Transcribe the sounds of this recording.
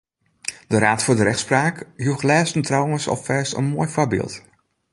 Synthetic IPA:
dəɾaːtfʊːdəɾɛxtspraːkjuəxlɛːstəntrawənsɔ̰ffɛɹstə̰nmoːjfɔbɪ̰ːlˠt

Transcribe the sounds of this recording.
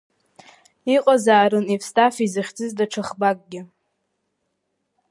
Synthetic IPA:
iqʼazaːɾɨnifstʰʼafizɨχʲd͡zʼɨzdaʈ͡ʂʰaχbakʼɡʲɪ

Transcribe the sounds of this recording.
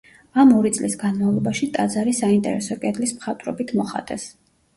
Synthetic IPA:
amɔɾit̪sʼlisɡanmavlˠɔbaʃit̪ʼad̪zaɾisaint̪ʼɛ̰ɾɛsɔkʼɛd̪lismχat̪ʼɾɔbit̪ʰmɔχa̰t̪ʼɛs

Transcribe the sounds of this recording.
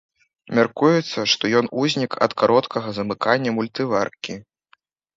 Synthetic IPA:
mʲarkujut̪sːɐʂt̪ɔjɔnuzʲnʲikɐ̰t̪kaɾɔt̪kʰɐɣɐzɐmɨkanʲːɐmulʲt̪ɨvarkʲi

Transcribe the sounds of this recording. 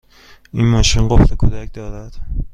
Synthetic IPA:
ʔinmɒːʃinɢoft̪ekʰod̪ækʰd̪ɒːd̪æd̪̥

